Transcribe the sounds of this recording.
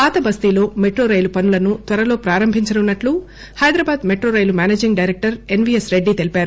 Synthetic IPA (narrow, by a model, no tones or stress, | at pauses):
aːt̪ɐbɐst̪iːlo̞ːme̞ʈɾoːɾɐjlupɐnulɐnut̪ʋɐɾɐlo̞ːpɾaːɾɐmbʱiɲt͡ʃɐnunːɐʈlu | hɐjd̪ɾɐbaːd̪meʈɾoːɾɐjlumaːneːd͡ʒiŋɡɖɐjɾek̚ʈɐɾe̞nʋiːesɾeɖːit̪e̞lipaːɾu